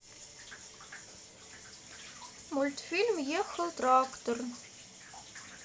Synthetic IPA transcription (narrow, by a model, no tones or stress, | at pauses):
mulʲt̪filʲmjɛxəlt̪rakt̪orn